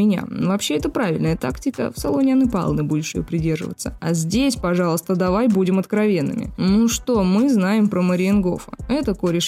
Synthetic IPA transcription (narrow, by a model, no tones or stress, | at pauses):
ɪnʲa̰vɐpɕːeɛt̪əpɾavʲɪ̰lʲnəjət̪aktʲɪkə̰fsɐ̰lˠonʲɪanɨpa̰lˠnɨbudʲɪʂɪjopɾʲɪdʲe̞rʐɨ̰və̰t̪səɐ̰zʲdʲesʲpɐʐɑlˠəst̪əd̪ɐvajbudʲɪmɐt̪kɾɐvʲe̞nːɨ̰mʲɪ̰nuʂt̪o̞mɨznajɪmpɾəməɾʲɪɪnɡo̞̰fə̰ɛt̪əkoɾʲɪʂ